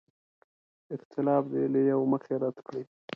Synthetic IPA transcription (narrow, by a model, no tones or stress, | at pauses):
ɪqt̪ʰɪlɑbd̪ḛlejawməxeɾad̪kɽe